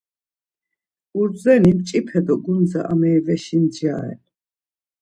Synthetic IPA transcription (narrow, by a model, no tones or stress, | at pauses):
uɾzɛnimt͡ʃʼipʰɛd̪ɔɡunza̰ʔamɛːvɛʃind͡ʒaːɛ̰l